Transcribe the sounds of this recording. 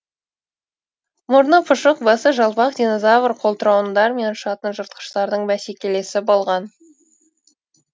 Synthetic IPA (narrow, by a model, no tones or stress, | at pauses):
mʊɾnəpʰʊʃəq̚bɑsəʒɑlˠpɑqd̪ʲino̞zɑvəɾqʰo̞lˠt̪əɾɑwənd̪ɑɾme̞nʃɑt̪ənʒəɾt̪̚qə̥ʃt̪ɑɾd̪əɴmæsekʲe̞le̞sɪbo̞lˠʁɑn